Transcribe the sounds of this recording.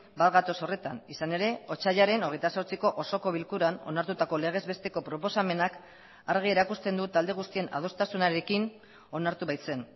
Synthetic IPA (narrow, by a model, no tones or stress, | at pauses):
bat̪ɣat̪o̞so̞re̞t̪anisane̞ɾe̞o̞t͡ʃaʎaɾe̞no̞ɣ̞e̞jt̪aso̞ɾt͡siko̞ʔoso̞ko̞βilkuɾano̞̰naɾt̪ut̪ako̞le̞ɣ̞e̞zβe̞st̪e̞ko̞pɾo̞po̞same̞nak | aɾɣ̞ie̞ɾakust̪e̞nd̪ut̪ald̪e̞ɣust̪ie̞na̰ðo̞st̪asunaɾe̞kin | o̞naɾt̪uβajt͡se̞n